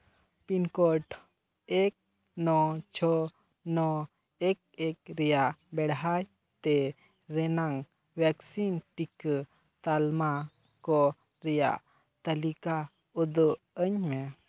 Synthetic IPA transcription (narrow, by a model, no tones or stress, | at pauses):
pinkɔʈ | ɛk̚ | nɔt͡ʃʰɔ | nɔ | ɛk̚ɛk̚ɾɛjaʔbɛɽɦaj | t̪ɛ | ɾɛnaŋ | bjaksinʈik | t̪alma | kɔ | ɾɛja̰ʔ | t̪əlika | ud̪ɔʔ | əɲmɛ